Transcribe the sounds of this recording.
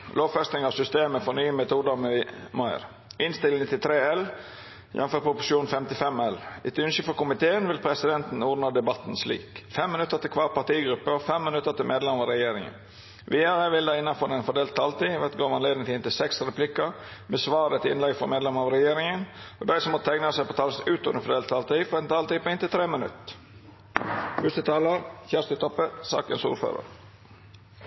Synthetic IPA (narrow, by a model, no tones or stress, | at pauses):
loːʋfɛst̪nɪŋɑʋsʏst̪eːməfɔnyːəmɛt̪ʰuːd̪əmmɑɪ̰ɾ | ɪnst̪ɪlɪŋət̪ːɪlt̪ʰɾeːɛl | jʔɛ̰nfœpʰɾʊpʊʂuːn̩fɛmt̪ɪfɛmɛlɪt̪ʉnʃəfɔkʊmɪt̪ʰeːənʋɪlpʰɾɛsɪd̪ɛnt̪n̩uːd̪nəd̪ɛbɑt̪n̩slḭːkfɛmːɪnʉt̪ːəɾt̪ɪkʰʋɑːɾpɑt̪iːɡɾʉpːəɔfɛmːɪnʉt̪ːəɾt̪ɪlmeːd̪lɛmɑɾɛjeːɾɪŋə̰n | ʋiːɑɾəʋɪld̪æɪɪnɑnfɔɾɛnfɔɖd̪eːlt̪ʰːɑlt̪iːʋɛt̪ɡoːʋɑnleːd̪nɪŋt̪ʰɪɪnt̪ɪlsɛksɾɛpʰlɪkːə | mɛsʋɑːɾət̪ɪ̰nlɛɡfɾɔ̰meːd̪lɛməɑʋɾɛjeːɾɪŋənɔd̪æɪsɔmɔt̪ʰæɪɡnəsɛɪpoːt̪ʰɑːlsʉːt̪ʊnəfɔɖ̪eːlt̪ʰːɑːlt̪iːfɔɾɛnt̪ʰɑːlt̪iːpoɪnt̪ɪlt̪ʰɾeːmənʉ̰t̪ | hʉst̪ət̪ʰɑːləɾçæːʂt̪ət̪ʰɔpːəsɑ̰ːkənsṵːɾfø̰ːɾə̰ɾ